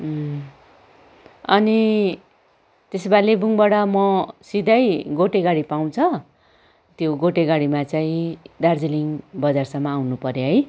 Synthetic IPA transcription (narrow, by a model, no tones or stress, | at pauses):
ʌni | t̪esbalebuŋbaɽʌmʌsid̪ʱʌjɡoʈeɡaɽipaw̃t͡sʰʌ | t̪joɡoʈeɡaɽimat͡saĩd̪ard͡ziliŋbʌd͡zarsʌmʌːwnupʌɾjeɦʌj